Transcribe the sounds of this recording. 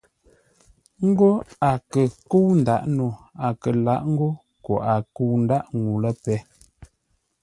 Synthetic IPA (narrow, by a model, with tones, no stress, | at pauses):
ŋ̩˦ɡo˦a˨kə˨ko˦wn̩˨da˦˨ʔno˨a˨kə˨la˦ʔŋ̩˦ɡo˦ | ko˨ʔa˨ku˦˨wn̩˦da˦ʔŋu˨lə˦pɛ˦